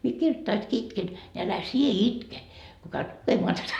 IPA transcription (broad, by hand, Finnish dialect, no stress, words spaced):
mie kirtːɑiski itken ni ælæ sie itke ko kæyt lukemoɑ tætæ